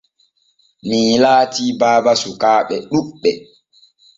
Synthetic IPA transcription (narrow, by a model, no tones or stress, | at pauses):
miːlaːtiːbaːbasukaːɓɛɗuɛ